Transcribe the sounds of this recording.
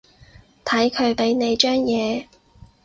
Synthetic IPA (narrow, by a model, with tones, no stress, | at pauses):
t̪ʰɐ˨˥jkʰɵ˨˧ɥpe˨˥jne˨˧jt͡ʃœː˥ŋjɛː˨˧